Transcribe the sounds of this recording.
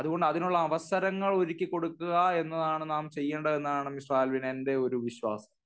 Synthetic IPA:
ɐðuɣo̞ɳɖɨɐðinuɭːɐːʋɐsɐɾɐŋːɐɭo̞ɾikʲːɨko̞ɽukːuɣɐe̞nːɐðaːɳɨnaːmt͡ɕe̞jːɐɳɖɐe̞nːaːɳɨmisraːlʋinende̞o̞ɾuʋiɕwaːsɐ̥

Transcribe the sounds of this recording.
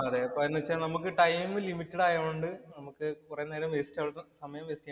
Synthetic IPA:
ɐðepːoenːɨʋet͡ɕːanɐmuk̬ːɨʈɐjmɨlimitːɐɽaːjaːʋuɳɖɨnɐmukːɨkureneːɾɐmʋesi̥tʲːaːɭːsɐmɐjɐmʋeːsi̥tː

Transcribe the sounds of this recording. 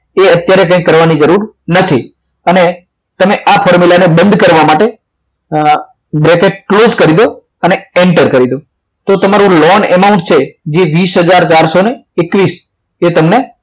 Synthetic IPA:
eət̪jaɾekə̃ĩkːəɾʋanid͡ʒəɾuɾnət̪ʰi | əne | t̪əmeʔafʰɔɾmilanebə̃nd̪ʱkəɾʋamaʈe | bɾekeʈ̚klod͡ʒkəɾid̪o | əneeɳʈəɾkəɾid̪o | t̪ot̪əmaɾũlɔnɛ̰maũɳʈt͡ʃʰed͡ʒeʋisɦəd͡ʒaɾt͡ʃaɾsoneːkʋis | et̪əmne

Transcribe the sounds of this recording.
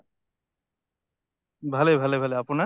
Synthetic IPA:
bʱalebʱalebʱaleapuna

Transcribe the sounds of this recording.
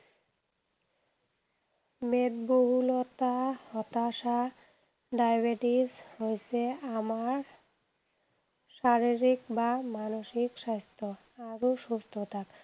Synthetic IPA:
med̪boɦulot̪ahɔt̪aʃa | ɖajbeʈishojet͡ɕʰeamaɾ | ʃaɾiɾikbamanoʃikʃajst̪ʰo | aɾoʃust̪ʰot̪ʰak

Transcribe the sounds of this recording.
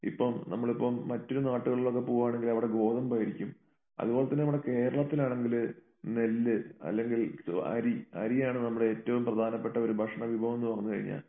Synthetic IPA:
ḭpːɐmnɐmːɐɭipːɐmːɐtːo̞ɾunaːʈːuɣɐɭiɭo̞kːe̞poːʋaːɳe̞ŋɡilɐʋiɽe̞ɡo̞ːðɐmpɐjiɾikʲːum | ɐ̰ðubo̞ːlet̪ːɐnːeʋɨɽe̞ke̞ːɾɐɭɐt̪ːilaːɳe̞ŋɡil | nelːɨɐ̰lːe̞ŋɡil̰ɐ̰ɾiɐ̰ɾijaːɳɨnɐmːuɽeeːtːɐʋumprɐd̪ʱaːnɐpːe̞ʈːɐo̞ɾubʱɐʂɐɳɐʋibʱɐʋɐmenːuʋɐŋːunːukɐ̰ɻḭɲːa̰ːl

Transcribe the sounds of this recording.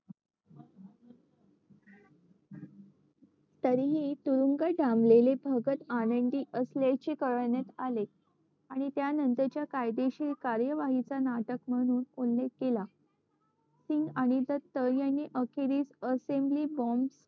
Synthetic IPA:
t̪əɾiɦit̪uɾuŋɡəɖamlelebʱəɡət̪anəɳɖ̪iːʔəsljaɭt͡ɕekəɾəɭɳjat̪ale | aɽ̃it̪janənt̪ət͡ɕjakajd̪eɕilkaɾjəʋaɦit͡sanaʈəkm̤əɽ̃uːnulːek̚kela | siŋɡaɽ̃id̪ət̪ːəjanːiːʔəkʰeɾiːsəsembliːbɔms

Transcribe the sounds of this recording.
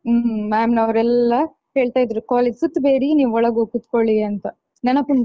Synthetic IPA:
maːmnɐɐʋɾɛlːɐ | he̞ːɭt̪aːjid̪ɐɾukaːleːd͡ʒsut̪ːbeːɾiniːʋɔɭɐɡukut̪koɭiɐnt̪ɐ | nɛnɐpːund̪

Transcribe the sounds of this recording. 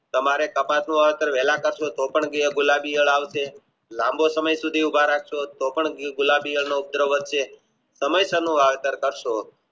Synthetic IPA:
t̪əmaɾekəpat̪nũʋaʋet̪əɾʋɛlãkəɾʃot̪opəɳɡiəɡʊlabijəɭaʋt͡ʃʰe | lãmbosəməjsud̪ʱiubʱaɾakʰʃot̪opəɳɡʊlabijəɭnoup̚d̪ɾəʋət̪ʃe | səməjsənũʋaʋet̪əɾkəɾʃo

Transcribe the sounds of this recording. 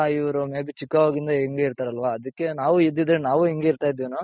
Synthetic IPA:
iʋɐɾumeːbit͡ʃikːɐʋoːɡind̪ɐiŋɡe̞ːiɾt̪aːɾɐlʋaːɐd̪ɐkːe̞naːʋuid̪ːid̪ɾenaːʋuiŋɡe̞iɾt̪aːjid̪ːeʋnu

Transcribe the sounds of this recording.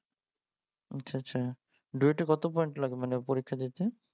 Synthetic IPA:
aɕʰaa | ɖueʈekɔt̪opɔjeɳʈlaɡemanepoɾikʰːad̪itʰe

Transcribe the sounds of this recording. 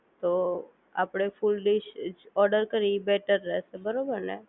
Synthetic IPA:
t̪oː | a̰ːpɽ̃efulɖɪʃɔːɾɖəɾkəɾibɛːʈəɾːɛːsebəɾoːbəɾnɛ̰̃

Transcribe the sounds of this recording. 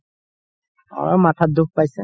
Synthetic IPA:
ɔ̰ɹɔmat̪ʰad̪uk̚pajsɛ

